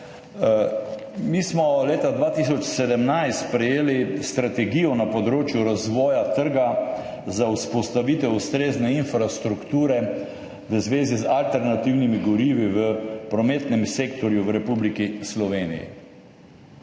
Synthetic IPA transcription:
mismɔleːt̪ad̪ʋaːt̪isɔt͡ʃsɛd̪ɛmnajst̪pɾɛjeːlist̪ɾat̪ɛɡiːjɔnapɔd̪ɾoːt͡ʃjuɾazʋɔːjat̪əɾɡa | zauspɔst̪aʋit̪ɛwust̪ɾeːznɛinfɾast̪ɾukt̪uːɾɛ | ʋəzʋeːzizalt̪ɛɾnat̪iwnimiɡɔɾiːʋiʋəpɾɔmeːt̪nɛmseːkt̪ɔɾjuʋɾɛpublikislɔʋeːnḭjḭ

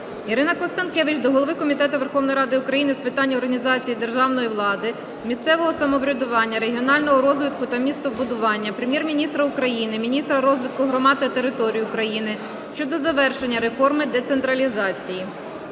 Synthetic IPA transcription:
iɾɪnɐkɔst̪ɐnkɛʋɪt͡ʃd̪ɔɦɔlˠɔʋɪkɔmʲit̪ɛt̪ʊʋerxɔʋnɔjɾɑd̪ɪʊkɾɐjinɪspɪt̪ɑnʲːɔrɦɐnʲizɑt͡sʲijid̪erʒɑwnɔjiʋlˠɑd̪ɪ | mʲist̪sɛʋɔɦɔsɐmɔʋɾʲɐd̪ʊʋɑnʲːɐɾeɦʲiɔnɑlʲnɔɦɔɾɔzʋɪt̪kʊt̪ɐmʲist̪ɔbʊd̪ʊʋɑnʲːɐpɾemjɛrmʲinʲist̪ɾɐʊkɾɐjinɪmʲinʲist̪ɾɐɾɔzʋɪt̪̚kʊɦɾɔmɑd̪t̪ɐt̪eɾɪt̪ɔɾʲijʊʊkɾɐjinɪ | ʃt͡ʃɔd̪ɔzɐʋɛrʃe̞nʲːɐɾe̞fɔrmɪd̪et̪sent̪ɾɐlʲizɑt͡sʲiji

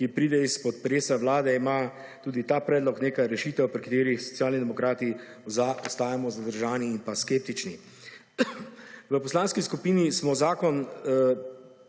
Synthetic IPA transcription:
kipɾiːd̪ɛispɔt̪pɾeːsaʋlaːd̪ɛima | t̪uːd̪it̪aːpɾɛːd̪lɔkneːkaɾɛʃiːt̪ɛwpɾikat̪eːɾixsɔ̥t̪sjaːlnid̪ɛmɔkɾaːt̪i | aɔst̪aːjamɔzad̪əɾʒaːniːnpaskeːp̚t̪it͡ʃni | ʋəpɔslaːnskiskupiːnismɔzaːkɔn

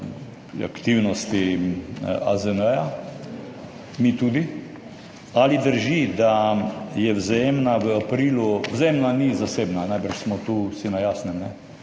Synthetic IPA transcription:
a̰kt̪iwnɔst̪i | azənəja | mit̪ud̪i | alid̪əɾʒid̪ajɛwzajemnaʋəapɾiːluwzeemnanizaseːbnanajbəɾʃsmɔt̪uːsinajaːsnɛmnɛ

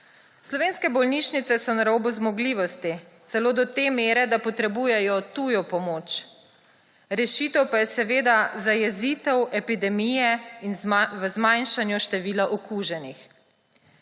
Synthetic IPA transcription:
slɔʋeːnskɛbɔlniʃnit̪sɛsɔnaɾoːbuzmɔɡliːʋɔst̪i | t̪sɛloːd̪ɔt̪emeːɾɛd̪apɔt̪ɾɛbuːjɛjɔt̪ujɔpɔmoːt͡ʃ | ɾɛʃit̪ɛwpajɛsɛʋeːd̪azajɛziːt̪ɛwɛpid̪ɛmijɛinʋəzmajnʃanjuʃt̪ɛʋiːlaʔɔkuːʒɛnix

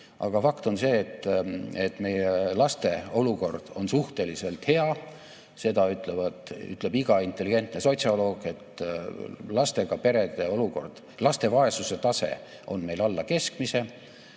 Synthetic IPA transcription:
ʔɑ̰ɡ̥ɑfɑkt̪o̞nse̞ːt̪ːet̪ːˑme̞jelɑst̪e̞o̞luko̞rd̪̥o̞nsuht̪e̞lise̞lt̪he̞ɑ | se̞d̪̥ɑyt̪ˑle̞vɑd̪y̰t̪ˑle̞biɡ̥ɑint̪ːˑe̞lːiɡ̥e̞nt̪ne̞so̞t̪ʲsiolo̞ːɡ̥e̞t̪ | lɑst̪e̞ɡ̥ɑpe̞ɾe̞d̪̥e̞o̞luko̞rd̪̥ | lɑst̪e̞vɑe̞suse̞t̪ɑse̞̰ | o̞nme̞jlɑlːɑke̞skmise̞

